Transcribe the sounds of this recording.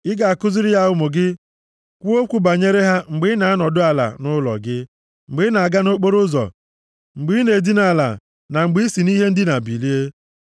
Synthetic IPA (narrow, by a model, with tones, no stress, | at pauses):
ɪ˦ɡa˨a˨kʊ˦zɪ˦ɾɪ˦ja˦ʊ˦˨mʊ˨ɡɪ˦ | kʷu˦o˦kʷu˨ba˨ɲe˦ɾe˦ɦa˦ŋ͡m̩˨ɡ͡bɪ˦na˨a˦nɔ˨dʊ˦a˨la̰˨nʊ˦lɔ̰˨ɡɪ˦ | ŋ͡m̩˨ɡ͡bɪ˨˦na˨a˨ɡa˦no˦k͡po˦ɾʊ˦zɔ̰˨ | ŋ͡m̩˨ɡ͡bi˨˦ne˨di˦na˨la̰˨ | na˨ŋ͡m̩˨ɡ͡bi˦i˦si˨ni˦ɦe˦n̩˦dɪ˦na˨bi˨li˦e˦